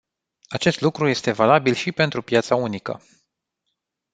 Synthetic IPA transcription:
at͡ʃe̞st̪lukɾuje̞st̪e̞valabilʃipe̞nt̪ɾupjat̪saunikə̰

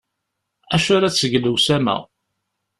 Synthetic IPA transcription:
æʃʊɾat͡sːəɡləwsæmæ̰

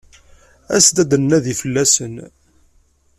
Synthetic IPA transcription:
æ̰sd̪æd̪ənnæðifəlːæsən

